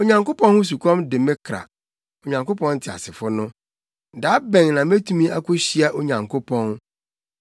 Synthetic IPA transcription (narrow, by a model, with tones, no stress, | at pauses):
o˨ɲã˨ŋko˦pʰɔ̃˦n˦hʊ̃˦s̬u˨kʰɔ̃˦mdɪ˨mɪ̃˦kʰɾa̰˨ | o˨ɲã˨ŋko˦pʰɔ̃˦n̩˦tʰɪ˨a̰˨sɪ˨fʊ˦nʊ̃˦ | da˨˦bɛ̃˨ŋnã˨m˦e˦tʰũ˦mĩ˦a˦kʰʊ˦ɕi˦a˦ʔo˨ɲã˨ŋkʰo˦pʰɔ̃˦n